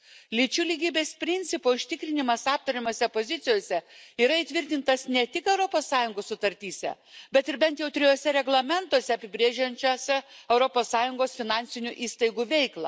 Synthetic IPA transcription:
lʲɪt͡ʃʲʊlʲiɡʲiːbʲeːspʲɾʲɪnʲt̪sʲɪpoːʊʃʲt̪ʲɪkɾʲɪnʲɪmɐsɑːp̚t̪ɐɾʲɪmʲoːsʲɛpoːzʲɪt̪sʲɪjoːsʲɛiːɾɐiːt̪ʲʋʲɪɾʲt̪ʲɪnt̪ɐsnʲɛt̪ʲɪkɛʊɾopoːsːɑːjʊŋɡoːssʊt̪ɐɾʲt̪ʲiːsʲɛ̰ | bʲɛt̪ɪɾbʲɛnt̪jɛʊt̪ʲɾʲɪjoːsʲɛɾʲɛɡlˠɐmʲɛnt̪oɔsʲɛɐpʲɪbʲɾʲeːʒʲɛnʲt͡ʃʲoːsʲɛɛʊɾopoːsːɑːjʊŋɡoːsfʲɪnɑnʲsʲɪnʲuʔiːst̪ɐɪɡuːʋʲɛɪklˠɑ̰ː

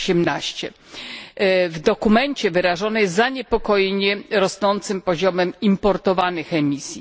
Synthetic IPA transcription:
ɕɛmnaɕt͡ɕɛ | vd̪ɔkumɛɲt͡ɕɛvɘɾaʐɔnɛzaɲɛpɔkɔjɛɲɛɾɔsnɔnt̪sɘmpɔʑɔmɛmimpɔɾt̪ɔvanɘxɛmʲisʲji

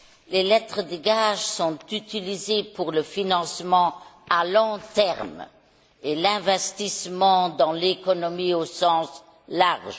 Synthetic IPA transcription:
lelɛt̪χəd̪əɡaʒsɔ̃t̪yt̪ilizepuʁləfinɑ̃smɑ̃alɔ̃t̪ɛʁm | elɛ̃vɛst̪ismɑ̃d̪ɑ̃lekɔnɔmiosɑ̃ːs | laʁʒ

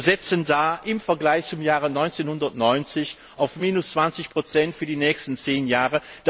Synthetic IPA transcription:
zɛt͡səndaːʔɪmfɛɐɡlaɪçt͡sʊmjaːʁənɔʏnt͡senhʊndɐtnɔʏnt͡sɪç | ʔaʊfmiːnʊst͡sv̥ant͡sɪçpʁ̥ot͡sɛntfyːɐdiːnɛːçstən̩t͡seːnjaːʁə | d̥

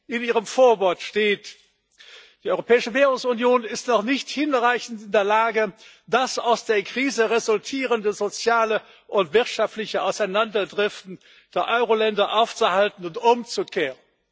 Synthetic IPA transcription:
ʔɪniːʁ̞əmfoːɐvɔɐtʃteːt | d̥iːʔɔʏʁopʰɛːɪʃəveːʁʊŋsʊnjoːnɪstnɔχnɪçthɪnʁaɪçn̩tɪndeːɐlaːɡə | d̥asa̰ʊsd̥eːɐkʁ̥iːzəʁezʊltʰiːʁəndəzot͡sjaːlə | ʔʊntv̥ɪɐtʃaftlɪçəʔaʊsaɪnandɐdʁɛftn̩ | d̥eːɐʔɔʏʁolɛndɐʔaʊft͡suhaltn̩ʊntʔʊmt͡sukʰeːʁən

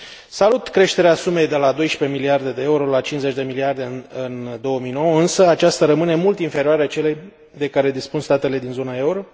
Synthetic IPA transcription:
salut̪kɾe̞ʃt̪e̞ɾeasume̞jd̪e̞lad̪o̞jʃpe̞miliard̪e̞d̪e̞euɾo̞lat͡ʃinze̞t͡ʃʲd̪e̞miliard̪eɨnd̪o̞wəmijno̞wəɨnsəat͡ʃast̪aɾəmɨne̞mult̪infe̞ɾioaɾeat͡ʃe̞le̞j | d̪e̞kaɾe̞d̪ispunst̪at̪e̞le̞d̪inzo̞nae̞uɾo̞

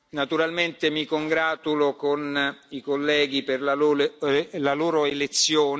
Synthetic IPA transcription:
nat̪uɾalment̪emikoŋɡɾaːt̪ulokonikolːɛːɡiperlaloːlolaloːɾoelet̪sːjoːn

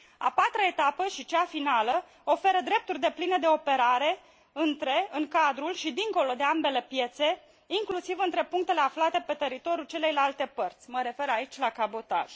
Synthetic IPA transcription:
a̰pat̪ɾae̞t̪apəʃit͡ʃafinalə | o̞fe̞ɾəd̪ɾe̞p̚t̪urʲd̪e̞plined̪e̞o̞pe̞ɾaɾe̞ | ɨnt̪ɾe̞ɨŋkad̪ɾulʃid̪iŋko̞lo̞d̪e̞ambe̞le̞pje̞t̪se̞ | iŋklusivɨnt̪ɾe̞puŋkt̪e̞le̞aflat̪e̞pe̞t̪e̞ɾit̪o̞ɾʲjult͡ʃe̞le̞jlalt̪e̞pərt̪sʲməɾe̞fe̞ɾait͡ʃʲlakabo̞t̪a̰ʒ̥

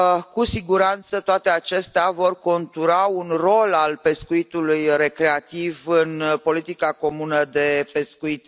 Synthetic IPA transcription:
kusiɡuɾant̪sət̪oat̪eat͡ʃe̞st̪eavo̞rko̞nt̪uɾaunro̞lalpe̞skuit̪ulujre̞kɾe̞at̪ivɨnpo̞lit̪ikako̞munəd̪e̞pe̞skuit̪

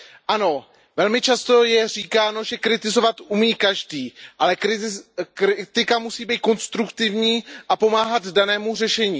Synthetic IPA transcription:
ʔano̞ | vɛlmɪt͡ʃast̪o̞jɛr̝iːkaːno̞ʒɛkɾɪt̪ɪzo̞vat̪ʔumiːkaʒdiːʔalɛkɾɪkɾɪt̪ɪkamusiːbiːt̪̚ko̞nst̪ɾukt̪ɪvɲiːʔapo̞maːɦad̪danɛːmur̝ɛʃɛɲiː

